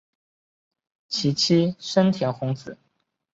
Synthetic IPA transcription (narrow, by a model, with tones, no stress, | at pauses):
t͡ɕʰi˧˥t͡ɕʰi˥ʂə˥nt̪ʰjɛ˧˥nxʊ˧˥ŋt͡sɹ̩˨˩˦